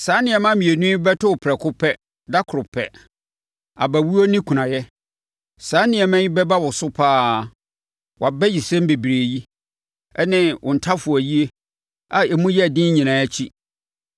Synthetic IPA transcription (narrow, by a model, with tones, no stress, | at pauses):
sãː˨˦nɪ̃˨ɛ˨mã˦mĩ˨e˨nũ˦ĩ˦bɛ˦tʰʊ˦wʊ˨pʰɾɛ˨kʰʊ˦pʰɛ˦ | da˦kʰʊ˨ɾʊ˨pʰɛ˨ | a̰˨bæ˨wu˦o˦nĩ˦kʰu˨nã˨jɛ˦ | sãː˨˦nɪ̃˨ɛ˨mã˦jĩ˦bɛ˦ba˦wɔ˨sʊ˦pʰaː˦ | wʔa˨bɛ˦ji˨sɛ̃˦m˦be˨bi˨ɾe˨ji˦ | ɛ˦nɪ̃˦wʔʊ̰̃˨n̩˨tʰa˦fʊ˨æ˨ji˦e˦ | a˨ɛ˨mũ˦jɛ˦˨dɪ̃˦ɲĩ˨nãː˨˦æ˦t͡ɕʰi˦